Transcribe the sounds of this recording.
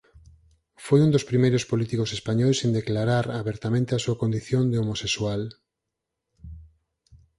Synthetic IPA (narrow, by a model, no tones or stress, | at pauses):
fojund̪ospɾimejɾʊspolit̪ikosespaɲɔjsend̪eklaɾaɾaβeɾt̪amẽnt̪easuɐkond̪iθjond̪eomoseswal